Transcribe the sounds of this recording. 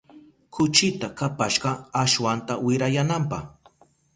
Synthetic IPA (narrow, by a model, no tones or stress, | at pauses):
kʰʊt͡ʃɪt̪akapaʃɢɑaʃwant̪awɪɾajanampɑχ